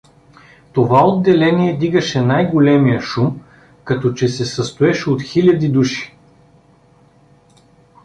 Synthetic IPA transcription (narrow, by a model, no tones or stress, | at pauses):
t̪ovaod̪ːɛlɛniɛd̪iɡəʃɛnajɡolɛmijəʃum | kɐt̪ɔt͡ʃɛsɛsɐst̪oɛʃɛot̪xilʲɐd̪id̪uʃi̥